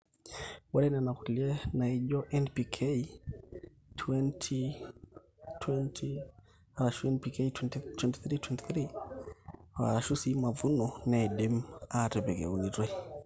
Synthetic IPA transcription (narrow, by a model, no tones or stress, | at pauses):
walɛnɛnakuliɛnaiʄɔʔɛnpikʰei | tʰwɛntʰi | tʰwɛntʰi | aɾaʃuɛnpikeitwtwɛnti̥θɾitwɛnti̥θɾi | wa̰aʃusimavunɔnadimatɛbɛɡɛ̰unitɛ